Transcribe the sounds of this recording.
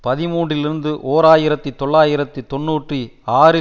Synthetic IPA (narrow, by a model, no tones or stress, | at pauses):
pɐðɪmuːɳɖrɪlɪɾɯnd̪ɯʔoːɾaːjɪɾɐt̪ːit̪ːɔɭːaːjɪɾɐt̪ːit̪ɔɳːuːʈriaːɾɯ